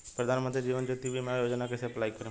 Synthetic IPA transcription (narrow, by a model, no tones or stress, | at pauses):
pɾɐd̪ʱaːnmə̃nt̪ɾid͡ʒiːʋənd͡ʒoːt̪ibʱimɛ̃joːd͡ʒnak̬eseplaːikɐɾẽ